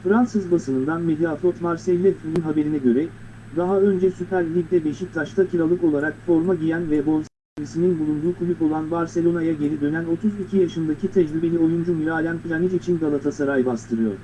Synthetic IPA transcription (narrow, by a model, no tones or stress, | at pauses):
fɾansɯzbasɯnɯnd̪anmed̪jafˠot̪maɾsɛlʲːɛfmininɦabeɾinɛɟø̞ɾɛ | d̪aɦaø̞nd͡ʒɛsypæɾʲlʲiɟd̪ɛbeʃic̚t̪ʰaʃt̪ʰacʰiɾalˠɯko̞lˠaɾakfo̞ɾmaɟijænvɛbo̞nza | nisininbulˠund̪uːkʰulʲyko̞lˠanbaɾse̞lʲo̞najaɟe̞ɾid̪ø̞næno̞t̪ʰuzicʰijaʃɯnd̪acʰit̪ʰɛd͡ʒɾibe̞lʲio̞jund͡ʒumiɾaːlʲænpilʲanid͡ʒit͡ʃʰinɡalˠat̪ʰasaɾajbast̪ʰɯɾɯjo̞̰ɾ